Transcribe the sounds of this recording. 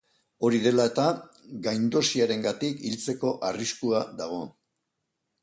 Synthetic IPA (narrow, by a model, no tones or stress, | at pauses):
o̞ɾiðe̞lae̞t̪a | ɡajnd̪o̞siaɾe̞ŋɡat̪ikilt͡se̞ko̞ʔariskuaðaɣ̞o̞